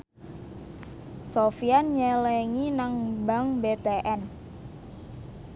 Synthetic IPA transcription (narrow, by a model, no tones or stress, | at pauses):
sofianɲɛleŋinaŋbaŋbet̪eʔɛn